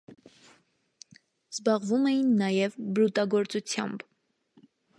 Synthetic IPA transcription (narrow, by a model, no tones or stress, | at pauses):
z̥bɑʁvumɛjinːɑjɛvbəɾut̪ɑɡɔɾt͡sut͡sʰjɑ̰mb